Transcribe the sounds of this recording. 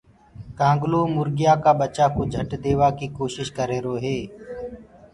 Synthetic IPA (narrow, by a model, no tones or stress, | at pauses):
kãːŋɡloːmʊɾɡɪjaːkaːɓət͡ʃaːkoːd͡ʒʱəʈd̪eːʋaːkiːkoːʃɪʃkəɾeːɾoːɦeː